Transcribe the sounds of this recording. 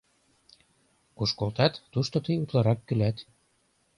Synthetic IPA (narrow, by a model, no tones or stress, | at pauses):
kuʃkolt̪ɑt̪ːuʃt̪ot̪ɤjut̪lɑɾɑkːylæt̪